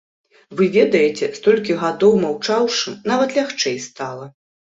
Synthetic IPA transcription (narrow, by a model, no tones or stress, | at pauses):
vɨvʲɛd̪ɐjɛt͡sʲɛst̪ɔlʲkʲiɣad̪ɔwmawt͡ʂawʂɨnavɐt̪lʲaxt͡ʂɛjst̪alˠɐ